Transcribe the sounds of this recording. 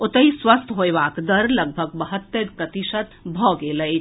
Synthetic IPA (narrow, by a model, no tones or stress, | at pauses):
ot̪əiswəst̪ʰɦojʋakd̪əɾləɡ̚bʱəɡbəɦət̪ːəɾkət̪isət̪bʱɔɡeləj